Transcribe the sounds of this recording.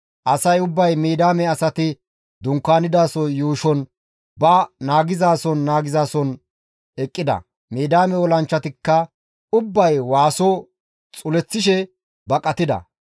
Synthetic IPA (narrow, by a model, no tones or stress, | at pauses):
ʔɐsɐjʊbːɐjmiːd̪aːmɛɐsɐt̪ɪ | d̪ʊŋkːaːnɪd̪aːsɔjuːʃɔn | bɐnaːɡɪzaːsɔnːaːɡɪzaːsɔn | ɛkʼːɪd̪ɐ̰ | miːd̪aːmɛwɔlɐnt͡ʃːɐt̪ɪkːɐ | ʊbːɐjwaːsɔ | t͡sʼʊlɛt͡sːɪʃ̬ɛ | bɐkʼɐt̪ɪd̪ɐ̰